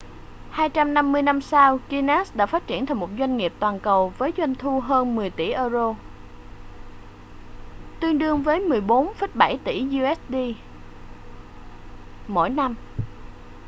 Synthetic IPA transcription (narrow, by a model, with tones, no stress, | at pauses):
haː˧jt͡ɕa˧mna˧mːɨ˧əjna˧msaː˧wki˧na˦˥sɗa̰ː˧˥faː˦˥t̚t͡ɕi˧˩ənt̪ʰa˨˩jmo˨˩t̚zwa˧jŋ̟ŋi˨˩əp̚t̪waː˨˩nkə˨˩wvəː˨˦jzwa˧jŋ̟t̪ʰu˧ɦəː˧nmɨ˨˩əjt̪ḭ˧˩ʔəː˧zo˧ | t̪wi˧əŋɗɨ˧əŋvəː˨˦jmɨ˨˩əjɓo˨˦nfə˦˥t̚ɓa˧˩jt̪ḭ˧˩zu˧ʔɛ˦˥s̚ɗi˧ | mo̰˧˥jna˧m